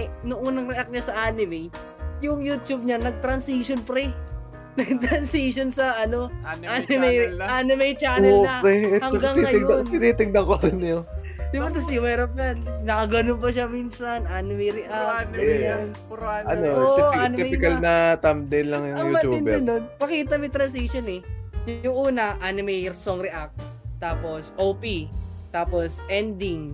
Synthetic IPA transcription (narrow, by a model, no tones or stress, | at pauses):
nʊŋʔuːnɐŋɾɛʔak̚ɲasɐʔaːnɪmɛj | jʊŋjuːt̪jub̚ɲanɐɡ̚t̪ɾɐnsiʃonpɾɛ | nɐɡ̚t̪ɾɐnsiʃonsɐɐno̞ʔaːnɪmɛjʔaːnɪmɛjt͡ʃaːoaɛɛhɐŋɡaŋiɐɪjŋanɪt̪it̪ɪŋd̪ɐŋkoɐt̪ɪnɐjo | d̪ɪbat̪ɐsjʊŋɛɾɐp̚ɲannɐkɐɡɐnonp̬ɐʃamiːnsɐnʔanomɐjɾɛʔakkɐjan | ɐnoot̪ɐnot̪mɪkɐlnɐt̪ɐmd̪ɪnlɐŋjʊŋjuːbɐuɪnɐnd̪onpɐkiːt̪ɐmɪt̪ɾɐnsiʃonɛjʊŋʔuːnɐʔɐnomɐjsoŋɾɛʔak̚t̪t̪aːpo̞sʔowpit̪aːpo̞sʔɛnd̪ɪŋ